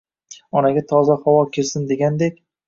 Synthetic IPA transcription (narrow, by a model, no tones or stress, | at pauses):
ɒnaɡʲat̪ʰɒzahawɒkʲʰɪɾsɪnd̪e̞ɡʲand̪ekʲ